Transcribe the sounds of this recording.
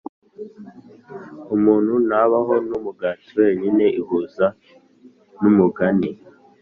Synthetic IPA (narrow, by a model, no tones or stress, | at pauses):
umuːn̤̥hunaβaɦo̞numuɡaːtiwe̞ːɲine̞ʔiɦuza | numuɡani